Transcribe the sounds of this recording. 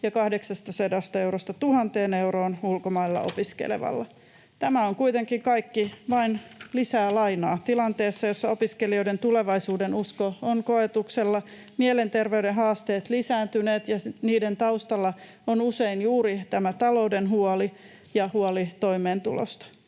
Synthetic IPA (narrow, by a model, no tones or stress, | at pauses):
jɑkɑhdeksɑst̪ɑsedɑst̪ɑeuɾost̪ɑt̪uhɑnt̪e̞ːnewɾoːnulkomɑilːɑ̰ʔo̰piskḛlḛʋɑ̰lːɑ | t̪æmæoŋkuit̪eŋkiŋkɑikːiʋɑinlisæːlɑinɑːt̪ilɑnt̪eːsːɑjosːɑopiskelio̞ide̞nt̪uleʋɑisuːdenuskooŋkoet̪ukselːɑ | mielent̪erʋeydeɦɑːst̪eːt̪lisæːnt̪yneːt̪jɑniːdent̪ɑust̪ɑlːɑ | onuseinjuːɾit̪æmæt̪ɑlo̞wdenɦuoli | jɑhuolit̪oimeːnt̪ṵlo̰st̪ɑ̥